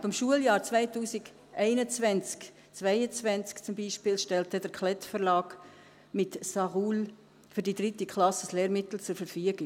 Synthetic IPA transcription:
ɑb̥əmʃuəljɑːɾt͡svæɪtuːsiɡ | ʔɛɪnət͡svɛnt͡sk | t͡svæɪət͡svɛnt͡skt͡sʊmbiːʃpɪːlʃtɛltədəɾkʰlɛtfəɾlɑːɡ̥ | mɪtsɑʁuːl | fyɾdidɾɪtikʰχlɑsəsleːɾmɪt̪l̩t͡sʊɾfɛɾfyəɡɪ

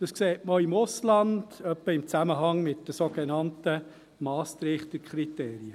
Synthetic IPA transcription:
d̥ɑskseːtməoɪmʊslɑnd̥œpːəɪmt͡sæməɦɑŋmɪtd̥əsoɡ̥ɛnɑntə | mɑːst̪ɾɪːχt̪əkχɾit̪eːɾiə

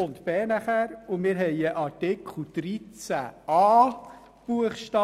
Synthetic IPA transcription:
ʊnt̪bɛːnæχæɾʊmɪːɾɦɛjəʔɑɾtɪkʰl̩d̪̥ɾit͡sæ̰ɑː | b̥uəχʃtɑ

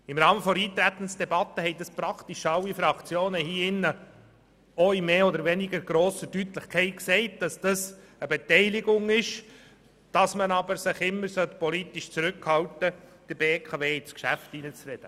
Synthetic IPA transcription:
ɪmɾɑːməfɔɾiːt̪ɾæt̪ənsd̥ɛbɑt̪ːəɦɛɪt̚dɑspɾɑkt̪iʃɑlːifɾɑkt͡sjoːnəhiːɪnːə | ɔimeːɔd̪əɾvɛnɪɡəɾɡ̥ɾoːsəd̥yt̪lɪχkʰɛɪt̚ksɛɪt̚d̥ɑsd̥ɑs | əbɛt̪ɛɪlɪɡʊŋɪʃ | d̥ɑsmənɑbəɾsɪχɪmːəɾsœt̪pɔliːt̪iʃt͡suɾʏkhɑltəd̥ɪɾbekʰɑveːɪskʃæ̰ftinət͡srɛd̥ə

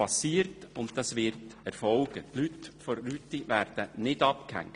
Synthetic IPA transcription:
ɑsiːərtʊntd̥ɑsʋɪrtɛɾfɔlɡ̥ətlytfɔɾlytːiʋæːɾd̥ənɪd̥ɑpkhæ̰ŋ

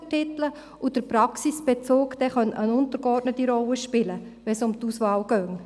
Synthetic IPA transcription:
tɪt̪l̩ə | ʔud̥əɾpɾɑksisb̥et͡soːkd̥̪ɛχœntənʊnt̪əɾɡɔrtnət̪iɾɔlːəʃpɪlə | ʋɛsʊmt̪usʋɑːlɡ̥œŋ

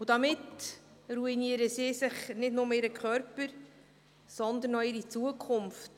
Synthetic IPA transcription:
ud̥ɑmɪtruiniəɾəsɪːsɪχnɪdnʊməɪɾəkʰχœɾpəɾ | sɔnd̪ənːɔɪɾit͡suəkʰʊmft

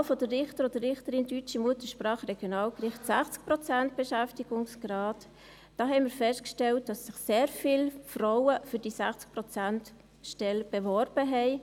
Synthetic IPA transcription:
fɔdərɪχtəɾɔdəɾɪχtəɾɪndyt͡ʃimuətəʃpɾɑːχɾeɡ̥jonɑːlkɾɪχtsæχt͡sk̚prɔt͡sænt̚b̥eʃæftiɡ̥ʊŋsɡ̥rɑːt | d̥ɑːɦɛɪnmɪːɾfɛʃtkʃtɛlt̚d̥ɑsːɪχseːɾfɪːlfraʊəfʏɾd̥isæχt͡sk̚pɾɔt͡sænt | ʃtɛlb̥eʋɔɾb̥əɦɛɪ

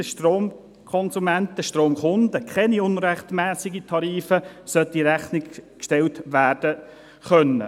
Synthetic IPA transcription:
əʃtroːm | kʰɔnsumæntəʃtroːmχʊnd̪əkʰɛniʊnɾɛχt̪mæːsɪɡitʰɑɾiːfəsœt̪iɾæχnɪkkʃtɛltʋæːrd̥ə | χœnːə̰

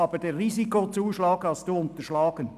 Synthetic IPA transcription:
ɑːb̥ədeːʁiːzikot͡suːʃlɑːkhɑlstd̥uːʊnt̪əʃlɑːɡ̥ən

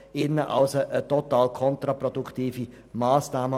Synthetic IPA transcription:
ɪnːəʔaʊsəʔətotaːlkʰɔntɾaprɔdukʰtiːfi | maːsnaːmə

